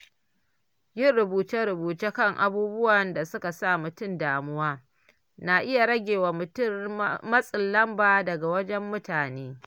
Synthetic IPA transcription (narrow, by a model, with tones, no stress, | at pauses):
jɪ˦nɽʊ˨buː˨t͡ʃe˦ɽʊ˨buː˨t͡ʃeː˦kɐ˦˨ŋʔa̰˨buː˦bʊ˦wɐ˨nda˨sʊ˦ka˨sa˦˨mʊ˨tʊ˦˨ndaː˨mʊ˦waː˦ | na˨ʔɪ˦ja˨ɽɐ˦ɡʲeː˨wa˨mʊ˨tʊ˦mmɐ˦sʼɪ˨lːɐ˦mbaː˨dɐ˨ɡa˨wɐ˦d͡ʒɛ˦mːʊ˦taː˨neː˦